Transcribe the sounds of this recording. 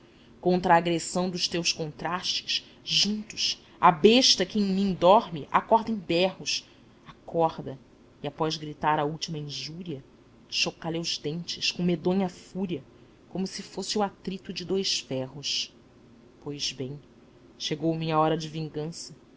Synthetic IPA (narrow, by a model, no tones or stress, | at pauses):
kõnt̪ɾɐːɡɾesɐ̃w̃d̪ʊʃt̪ewskõnt̪ɾaʃt͡ʃɪ̥ʃ | ʒũnt̪ʊ̥ʃ | abeʃt̪ɐkɪẽj̃mĩŋ̃d̪ɔɾmɪʔa̰kɔɾd̪ẽj̃bɛɦʊs | akɔhd̪ɐ | iapɔzɡɾit̪aɾɐuwt͡ʃimɐĩʒuɾiɐ | ʃokalauzd̪ẽnt͡ʃɪskõmed̪õɲɐfuɾiɐ | kõmʊsɪfosɪuat̪ɾit̪ʊd͡ʒɪd̪ojʃfɛɦʊs | pojz̥bẽj̃ | ʃeɡowmĩɲɐɔɾɐd͡ʒɪvĩŋɡɐ̃sɐ